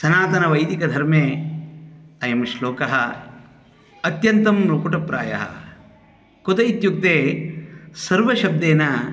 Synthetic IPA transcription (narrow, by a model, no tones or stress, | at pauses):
sɐnaːt̪ɐnɐʋɐjd̪ikɐd̪ʱɐɾmeː | ɐjɐmʃloːkɐɦɐ | ɐt̪jɐnt̪ɐmɾokuʈɐpɾa̰ːjɐ̰ɦɐ̰ | kot̪ɐjit̪juk̚t̪eː | sɐɾʋɐʃɐb̚d̪eːnɐ